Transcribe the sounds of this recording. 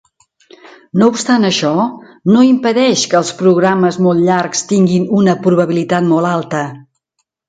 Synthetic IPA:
noupst̪anəʃɔ | noimpəðɛʃkəːlˠspɾuɣɾaməzmolˠt̪ʎarkst̪iŋɡinunəpɾuβəβilit̪at̪molˠalˠt̪ə

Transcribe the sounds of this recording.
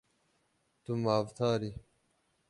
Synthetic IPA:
t̪umaːvt̪ʰaːɾi

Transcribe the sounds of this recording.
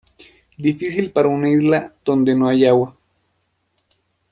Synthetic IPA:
d̪ifisilpaɾaunaizlad̪ond̪enoajawa

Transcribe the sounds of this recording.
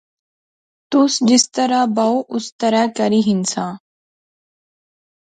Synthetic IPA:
t̪ʊsd͡ʒɪst̪əɾabawʔʊst̪ɐɾakɐɾiɦɪnsãː

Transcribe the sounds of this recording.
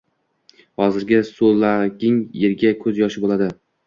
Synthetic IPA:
hɒzɪɾɡʲɪsolaɡʲɪŋjeɾɡʲakʰɵzjɒʃɪbolad̪ɪ

